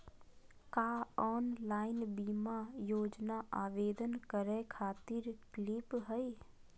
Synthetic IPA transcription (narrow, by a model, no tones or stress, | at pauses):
kaːɔːnlaːɪnbiːmajoːd͡ʒnaʔaːʋeːd̪ənkəɾekʰaːt̪ɪɾklɪpɦəi